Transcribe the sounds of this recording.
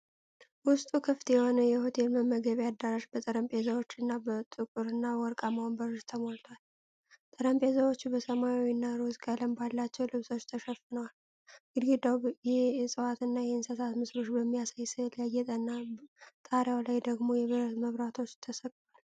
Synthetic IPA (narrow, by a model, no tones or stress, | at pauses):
wʊst̪ʼukʰɨft̪jɛho̞nəjɛho̞t̪ʰe̞lməməɡəβad̪ːaɾaʃbət̪ʼəɾəmpʼezəwo̞t͡ʃːɨnːabət̪ʼɨkʼuɾɨnːawɔɾkʼamambəɾɨʃt̪ʰəmolt̪ʰwal | t̪ʼəɾəmpʼezəwo̞t͡ʃːbəsəmajawinːaɾozkʼələmbalːat͡ʃːɛwlɨβso̞t͡ʃːt̪ʰəʃɛfːɨnəwal | ɡɨd̪ɡed̪awjɛsʼɨwat̪ɨnːajɛhɨnsət̪ʰat̪mɨsɾo̞t͡ʃːbəmːijasajsɨljajɛt̪ʼənːat̪ʼaɾjawlajd̪əɡmo̞jɛβɨɾət̪məβɾat̪ʰo̞t͡ʃːt̪ʰəsəkʼt̪ʰwal